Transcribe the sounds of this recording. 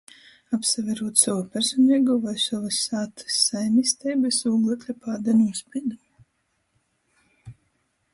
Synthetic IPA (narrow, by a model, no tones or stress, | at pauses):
apsavʲɛɾuɔt̪savupʲɛɾsɔniɛɡuvajsavasːaːt̪ʰɨ̥sːajmist̪ɛjbɛsuːɡlˠɛt̪ʲlʲɛpaːd̪ɛnuɔspʲiɛd̪umi